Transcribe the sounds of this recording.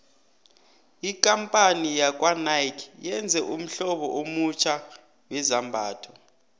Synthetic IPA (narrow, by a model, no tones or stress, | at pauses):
ikʼampʼanijak̬ʼwanajkʰjɛnd͡zʱɛʔum̩ɬɔɓɔʔomut͡ʃʰa | wɛzambʱaːtʰɔ